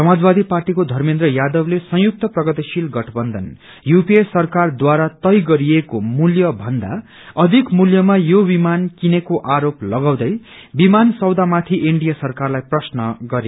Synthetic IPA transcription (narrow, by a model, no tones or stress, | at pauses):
sʌmad͡zbad̪iparʈikod̪ʱʌrmend̪rʌjad̪ʌblesʌ̃juk̚t̪ʌprʌɡʌt̪isilɡʌʈʰʌbʌnd̪ʱʌn | jupiesʌrkard̪waɾat̪ʌjɡʌɾiekomuljʌbʱʌnd̪a̰ | ʌd̪ʱikmuljʌmajobimankinekoʔaɾoplʌɡaw̃d̪ʌj | bimansʌwd̪amat̪ʰiʔiɳɖijasʌrkarlajprʌsnʌɡʌɾe